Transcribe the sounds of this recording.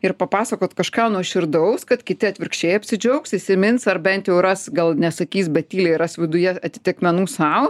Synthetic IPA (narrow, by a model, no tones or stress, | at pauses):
ɪɾpɐpɑːsɐkoːt̪kɐʃkɑːnuɔʃʲɪɾd̪ɐʊskɐt̪kʲɪt̪ʲɪɐt̪ʲʋʲɪrkʃʲt͡ʃʲeːjɐpʲsʲɪd͡ʒʲɛʊksɪsʲɪmʲɪnsɐrbʲɛnʲt̪jɛʊrɐsɡɐlˠnʲɛsɐkʲiːsbʲɛt̪ʲiːlʲɛɪɾɐsʋʲɪd̪ʊjɛɐt̪ʲɪ̥t̪ʲɪkmʲɛnuːsɐʊ